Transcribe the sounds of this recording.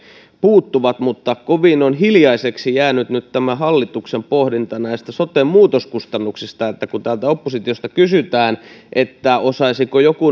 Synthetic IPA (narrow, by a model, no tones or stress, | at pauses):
puːt̪ːuʋɑt̪mut̪ːɑkoʋinonɦiljɑiseksijæːnyt̪nyt̪t̪æmæhɑlːit̪uksempohdint̪ɑnæist̪æsot̪emmuːt̪oskust̪ɑnːuksist̪ɑet̪ːækunt̪ælt̪æopːosit̪iost̪ɑkysyt̪æːnʔet̪ːæosɑisikojoku